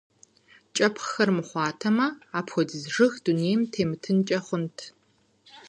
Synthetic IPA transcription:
t͡ʃʼɐpʰχxɐrmɨχʷɑːtʰɐmɐaːpʰxʷɔdɨzʐɨxd̥uneːjmtʰeːmɨtʰɨnt͡ʃʼɐχʷʊntʰ

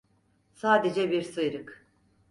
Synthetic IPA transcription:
saːd̪ed͡ʒɛbiɾsɯjɾɯk

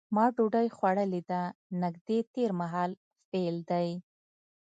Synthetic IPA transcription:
mɑɖoɖajxwaɽəlid̪anaɡd̪et̪eɾmaɦɑl | feld̪aj

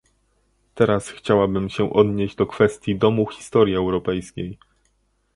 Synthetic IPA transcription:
t̪ɛɾasxt͡ɕawabɘmɕɛʔɔd̪ɲeʑd͡ʑd̪ɔkfɛst̪ʲjid̪ɔmuxʲi̥st̪ɔɾʲjiɛwɾɔpɛjskʲej

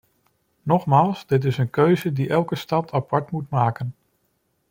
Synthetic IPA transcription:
nɔχmaːlˠsdɪt̬ɪsənkøɥzədiʔɛlˠkəstɑtʰɑpɑɹtmutmaːkən

